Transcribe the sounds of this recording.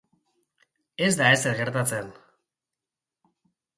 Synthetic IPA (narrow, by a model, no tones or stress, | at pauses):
e̞zd̪ae̞seɾɣe̞ɾt̪at͡se̞n